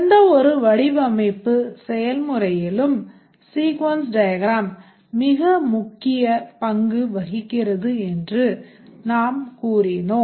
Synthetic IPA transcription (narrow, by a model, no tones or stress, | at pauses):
ɐnd̪ɐɔɾɯʋɐɽɪʋɐmɐɪpːɯsɛjɐlmɯrɐjɪlɯm | siːkʋɐnsɖɐjɐɡɾaːmː | ɪɣɐmʊkːɪjɐpɐŋɡɯʋɐɣɪkːɪrɐðɯɛndrɯ | naːmkuːrɪnoː